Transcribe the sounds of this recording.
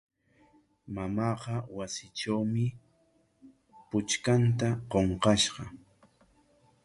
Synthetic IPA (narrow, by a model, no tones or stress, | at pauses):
mamɑːqɑwasɪʈ͡ʂawmɪ | pʊt͡ʃkant̪aqoɴqɑʃɢɑ